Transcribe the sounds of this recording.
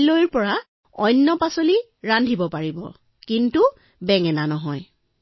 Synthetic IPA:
lojɹpɔɹa | ɔjnːɔpasoli | ɹandʱibɔpaɹibɔ̰ | kintu | bɛŋɛnanɔɦɔj

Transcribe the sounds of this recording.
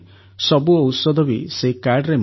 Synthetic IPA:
sɔbuɔusɔd̪ʱɔbisekaɾɖɾem

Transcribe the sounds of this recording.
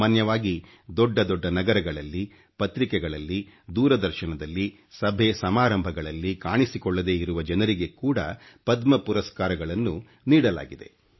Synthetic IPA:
aːnjɐʋaːɡi | d̪ɔɖːɐd̪ɔɖːɐnɐɡɐɾɐɡɐɭɐlːi | pɐt̪ɾikɛɡɐɭɐlːi | d̪uːɾɐd̪ɐɾʃɐɳɐd̪ɐlːi | sɐbʱesɐmaːɾɐmbʱɐɡɐɭɐlːikaːɳisikɔɭːɐd̪e̞ːiɾuʋɐd͡ʒɐnɐɾiɡe̞kuːɽɐ̰pɐd̪mɐpuɾɐskaːɾɐɡɐɭɐnːu | niːɽɐla̰ːɡid̪e̞̰

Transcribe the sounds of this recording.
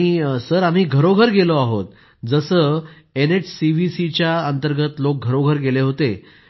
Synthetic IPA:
isəɾam̤iːɡʱəɾoɡʱəɾɡeloaɦot̪̚ | d͡zəsəː | eneʈsiʋisit͡ɕjaənt̪əɾɡət̪lok̚ɡʱəɾoɡʱəɾɡeleɦot̪e

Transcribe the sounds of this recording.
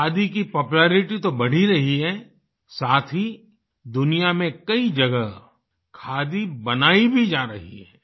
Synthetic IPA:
kʰaːd̪ikipɔːpuleːɾɪʈit̪obɐɽ̤iɾɐɦiɦɛː | saːt̪ʰi | d̪ʊnijamẽkɐid͡ʒɐɡəɦ | kʰaːd̪ibɐnaːibʱid͡ʒaːɾɐɦḭɦɛ̰ː

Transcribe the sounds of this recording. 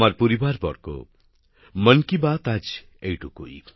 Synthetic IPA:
marpuɾibarbʌ̰rko̰ | mʌnkibat̪ad͡z | ejʈukṵj

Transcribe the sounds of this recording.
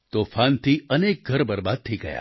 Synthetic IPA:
t̪oːfʰaːnt̪ʰiɐneːk̚ɡʱɐɾbɐɾbaːd̪̚t̪ʰiɡɐ̰ja̰ː

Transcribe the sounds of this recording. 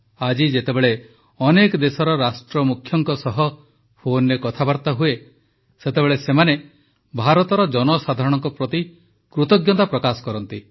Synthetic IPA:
ad͡ʒid͡ʒet̪ebeɭe | ɔnekɔd̪esɔɾɔɾasʈɾɔmukʰːjɔŋkɔsɔɦɔ | pʰonɾekɔt̪ʰabaɾt̪aɦue | set̪ebeɭesemane | bʱaɾɔt̪ɔɾɔd͡ʒɔnɔsad̪ʱaɾɔɽ̃ɔŋkɔpɾɔt̪i | kɾut̪ɔɡjɔnt̪apɾɔkasɔ̥kɔɾɔnt̪i

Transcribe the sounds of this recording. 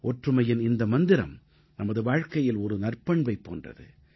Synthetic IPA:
ɔʈrɯmɐjɪnɪnd̪ɐmɐnd̪ɪɾɐ̰m | nɐmɐðɯʋaːɻkɐjɪlɔɾɯnɐrpɐɳbɐɪpːo̰ːndrɐ̰ðɯ̰

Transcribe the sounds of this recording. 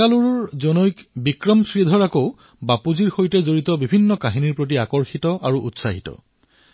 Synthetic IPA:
aluɹɔɹzɔnojkbikɹɔmsɹid̪ʱɔɹakoʊ | bapuziɹxojtɛzoɹitɔbibʱinːɔkaɦiniɹpɹot̬iakɔɹxitɔʔaɹuʔṵtsaɦitɔ̰

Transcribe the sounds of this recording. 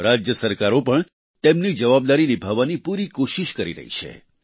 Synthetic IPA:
ɾad͡ʒjəsəɾkaɾopəɳ | t̪emnid͡ʒəʋab̚d̪aɾinibʱaʋanipuɾikoʃiʃkəɾḭɾə̰ɦḭt͡ʃʰḛ

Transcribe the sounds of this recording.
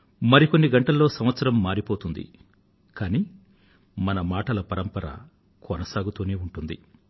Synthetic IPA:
mɐɾiko̞nːiɡɐɳʈɐlːo̞ːsɐmʋɐt̪sɐɾɐmːaːɾipo̞ːt̪und̪ḭ | kaːniː | mɐnɐmaːʈɐlɐpɐɾɐmpɐɾɐ̰ | kʰɔnɐsaːɡut̪uːne̞ːuɳʈund̪ḭ

